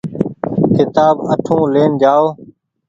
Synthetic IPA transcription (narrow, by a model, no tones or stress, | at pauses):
kɪt̪aːbəʈʰõːleːnd͡ʒaːoː